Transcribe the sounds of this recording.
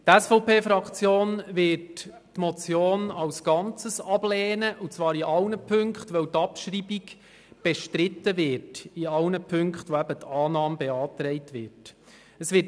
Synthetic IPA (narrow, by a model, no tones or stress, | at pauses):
tæsfɔʊpeːfɾɑkχt͡sjoːnvɪt | tmɔt͡sjoːnɑwsɡ̥ɑnt͡səsɑb̥lɛːnəʔut͡sʋɑːɾiʔɑlnəpʰʏŋkχtʋœwtɑpʃɾiːbik | b̥ɛʃtɾɪtːəvɪtiɑlnəpʰɵŋkχtʋoæbətʰɑːnɑːmbɛɑːtɾɛɪtʋɪt | əsʋɪ